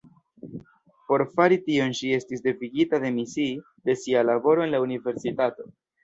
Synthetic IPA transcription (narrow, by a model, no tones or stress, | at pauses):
po̞ɾfaɾitio̞nʃie̞stisde̞viɡitade̞misi | d̪e̞sialabo̞ɾo̞enlaunive̞ɾsitato̞